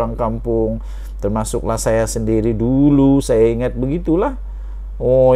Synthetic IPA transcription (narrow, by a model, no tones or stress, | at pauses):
aŋkampʊŋ | t̪ərmasʊ̰k̚lahsajasəndiɾidulusajaiŋat̪̚bəɡit̪ulah | ɔ